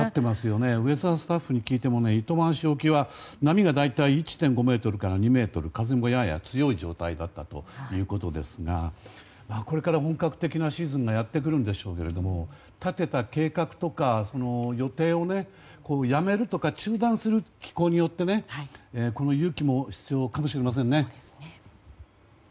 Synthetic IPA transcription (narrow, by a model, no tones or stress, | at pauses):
at̪ːe̞masɨjo̞ne̞ɯ̟e̞zasɨ̥t̪aɸːɯɲ̟ikʲiːt̪e̞mo̞ne̞it̪o̞mãɰ̃ɕio̞kʲiβanamʲiɡad̪ait̪aiːt͡ɕi̥t̪ẽ̞ŋɡo̞me̞ːt̪o̞ɾɯ̟kaɾaɲ̟ime̞ːt̪o̞ɾɯ̟kazemojaja̰t͡sɨjo̞id͡ʑo̞̰ːt̪aid̪at̪ːat̪o̞̰jɯ̟ːko̞t̪o̞d̪e̞sɨɡa | maːko̞ɾe̞kaɾaɦõ̞ŋkakɯ̥t̪e̞kʲinaɕiːzɨ̃ŋɡajat̪ːe̞k̬ɯ̟ɾɯ̟̃nd̪e̞ɕo̞ːke̞ɾe̞d̪o̞mo̞ | t̪at̪e̞t̪ake̞ːkakɯ̟̥t̪o̞kaso̞no̞jo̞t̪e̞ːo̞ne̞ | ko̞ːjame̞ɾɯ̟t̪o̞kat͡ɕɨːd̪ãɰ̃sɨɾɯ̟kʲi̥ko̞ːɲ̟ijo̞t̪ːe̞ne̞eko̞no̞jɯːkʲimo̞çi̥t͡sɨjo̞kamo̞ɕiɾe̞mas̬ẽ̞nːe̞